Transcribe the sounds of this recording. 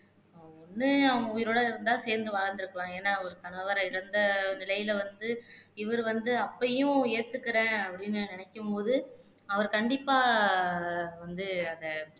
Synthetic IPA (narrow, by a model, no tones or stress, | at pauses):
ɔnːɯɐɐŋʊjɪɾoːɽɐɪɾɐnd̪aːseːɾnd̪ɯʋaːɻɐɾnd̪ɪɾɯkːɐɭãːeːnːaːɔɾɯt̪ɐɳɯʋɐɾɐɪɽɐnd̪ɐnɪlɐjɪlʋɐnd̪ɯɪʋɐɾɯʋɐnd̪ɯɐpːɐjʊ̃eːt̪ːɯkːɐɾẽːɐpːɐɽɪnːɯnɪnɛkːɯmpoːðɯ | ɐʋɐɾkɐɳɖɪpːaː | ʋɐnd̪ɯɐðɐ